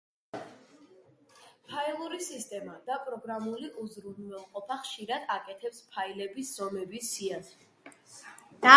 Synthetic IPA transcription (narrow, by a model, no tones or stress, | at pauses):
pʰailˠuɾisist̪ʼɛmad̪̥apʼɾɔɡɾamuliʔuzɾunvɛlˠqʼɔpʰaχʃiɾad̪̥akʼɛt̪ʰɛpspʰailɛbisz̥ɔmɛbisia